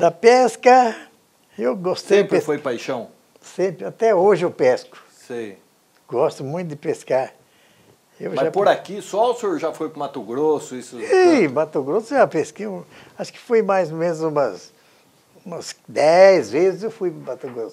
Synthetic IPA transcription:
d̪ɐpɛskɐ | ewɡossej̃pɾfojpajʃɐ̃w̃ | sẽpɾɪat̪ɛoʒɪewpɛskʊ̥ | sej | ɡɔst̪ʊmũj̃t̪ʊd̪ɪpeskaɾ | ewʒmapoɾakisɔʊseoɾʒafojkõmat̪oɡɾosʊisʊimat̪oɡɾosʊʒapeske | aʃʊ̥kɪ̥fojmajzomẽnzũmɐs | ũmɐsd̪ɛjzvezɪzewfujmat̪oɡɾosʊ

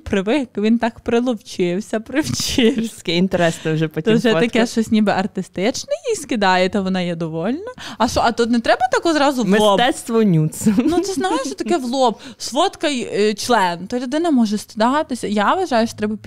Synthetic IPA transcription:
pɾɪʋɪkʋʲint̪ɑkpɾɪlˠɔwt͡ʃɪwsʲɐpɾɪwt͡ʃɪɐkɛint̪eɾɛsnɛwʒɛpɔt̪ʒɛt̪ɐkɛʃɔsʲnʲibɪʔɐrt̪ɪst̪ɪt͡ʃnɪjijskɪd̪ɑjɛt̪ɔʋɔnɑjɛd̪ɔʋɔlʲnɐɐʃɔʔɐt̪ut̪nɛt̪ɾɛbɐt̪ɑkɔzɾɑzʊmlmesˠɔt̪ɛt̪st̪ʋɔnʲut̪sɐnusɛznɑɦeʃɔt̪ɐkɛʋlˠɔbsʋɔt̪kɐjt͡ʃlˠɛnt̪ɔlʲʊd̪ɪnɐmɔʒɛst̪ʲɪd̪ɑt̪ɪsʲɐjaʋɐʒɑjʊʃɔ̥t̪ɾɛbɐpʲ

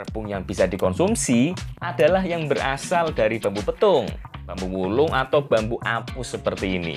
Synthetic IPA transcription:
rb̥ʊŋjaŋb̥i̤sad̥ikɔnsumsiʔad̥a̤lahjaŋbəɾa̰sald̥aɾib̥a̤mbupət̪ʊŋb̥a̤mbuwulʊŋʔat̪awb̥a̤mbuʔapusəpərt̪iːnḭ

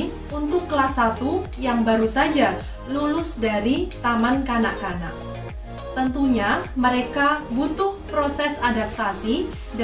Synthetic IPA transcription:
unt̪ʊkːəlasat̪u | jaŋbaɾusad͡ʒa | lulʊsdaɾit̪amankanaʔkana̰ʔ | t̪ənt̪uɲaməɾekabut̪ʊhpɾosɛsadap̚t̪asi | d

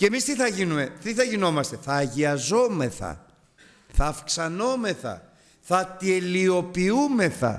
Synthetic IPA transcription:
cemist̪iθɐʝinume̞t̪iθɐʝino̞mɐst̪e̞θɐːʝiɐzo̞me̞θɐ̰ | θɐːfksɐno̞me̞θɐ̰ | θɐt̪ielio̞piume̞θɐ̰

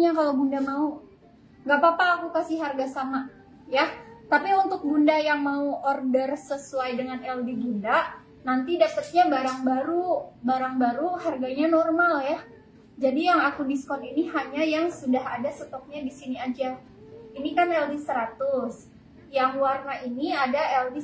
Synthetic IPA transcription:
ɲakalabundamau | ŋɡapapaːkukasɪɦarɡasama | jat̪apiunt̪ʊk̚bundajaŋmauʔɔrdərsəsuajdəŋanɛldiɡunda | nant̪idapət̪̚ɲabaɾaŋbaɾubaɾaŋbaɾuɦarɡaɲanɔrmalja | d͡ʒadijaŋakudiskɔniniɦaɲajaŋsudaɦadasət̪ɔk̚ɲadisiniad͡ʒa | inikanɛldisəɾat̪ʊs | jaŋwarnainiadaɛldi

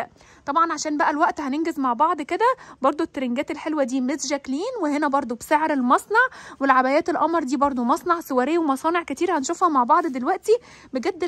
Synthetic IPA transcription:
t̪ˤɑbʕɑnʕaʃæːnbæʔælwæʔt̪hænenɡezmaʕbɑʕd̪ˤked̪æbɑɾˤd̪ˤoet̪ːɾeŋɡæːt̪elħelwæd̪iːmezʒækliːnwehenæbɑɾˤd̪ˤobseʕɾelmɑsˤnɑʕwelʕabæjæːt̪elʔɑmɾˤd̪iːbɑɾˤd̪ˤomɑsˤnɑʕsowæːɾejːæwemɑsˤɑːneʕkæt̪iːɾhænʃoːfhɑmaʕbɑʕd̪ˤd̪elwæʔt̪i | beɡæd̪ː

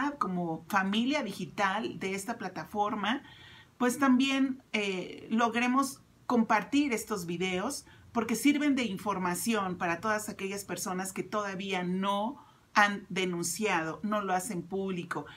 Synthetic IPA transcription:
aðko̞mo̞familjaðixit̪ald̪e̞est̪aplat̪afo̞ɾmapwe̞st̪ambje̞nelo̞ɣɾe̞mo̞s | ko̞mpaɾt̪iɾe̞st̪o̞zβiðe̞o̞spo̞ɾke̞siɾβe̞nd̪e̞iɱfo̞ɾmasjo̞npaɾat̪o̞ðasake̞ʝaspe̞ɾso̞naske̞t̪o̞ðaβiano̞ | and̪e̞nũnsjað̞o̞no̞lo̞ase̞mpuβliko̞

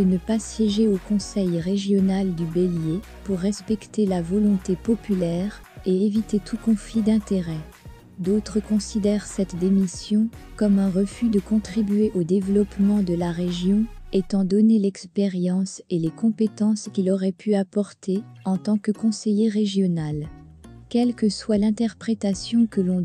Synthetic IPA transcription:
d̪ənəpasjɛʒeokɔ̃sɛjʁeʒjɔnald̪ybelje | puʁːɛspɛkt̪elavɔlɔ̃t̪epɔpylɛːʁeevit̪et̪ʰukɔ̃flid̪ɛ̃t̪eʁɛ | d̪ot̪χəkɔ̃sid̪ɛʁsɛt̪d̪emisjɔ̃kɔmɛ̃ʁəfyd̪əkɔ̃t̪χibyeʔod̪evlɔpmɑ̃d̪əlaʁeʒjɔ̃et̪ɑ̃d̪ɔnelɛkspeʁjɑ̃selekɔ̃pet̪ɑ̃skʲilɔʁɛpʰyapɔʁt̪ʰeɑ̃t̪ɑ̃kəkɔ̃sejeʁeʒjɔnal | kʲɛlkəswalɛ̃t̪ɛʁpχet̪asjɔ̃kəlɔ̃

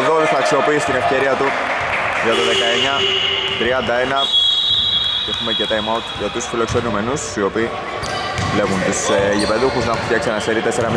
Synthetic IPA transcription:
ðoθɐːksio̞piːst̪ine̞fce̞ɾiɐt̪u | ʝɐt̪oðekɐeɲɐt̪ɾiɐnd̪ɐe̞nɐ | cexumecet̪ɐimɐwt̪ʝɐt̪usfilo̞kse̞nume̞nusio̞piː | le̞ɣunt̪useʝipe̞ðuxuznɐft̪jçɐksiɐnɐseɾit̪e̞seɾɐmi

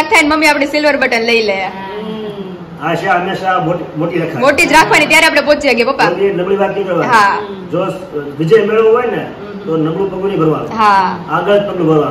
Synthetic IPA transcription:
k̚t̪ʰainməmːiapɽ̃isɪlʋəɾbəʈənləiləa | aʃaɦəmːeʃamoʈimoʈiɾakʰamoʈid͡ʒɾakʰʋanit̪jaɾeapɽepot͡ʃiaɡebəpːakinəmɭiʋak̪nĩkəɾʋanɦad͡ʒo | ʋid͡ʒemeɭʋoɦojne | t̪onəmɭũpəɡunibʱəɾʋa̰nṵɦaaɡəd͡ʒt̪əmlũbʱəɾʋan

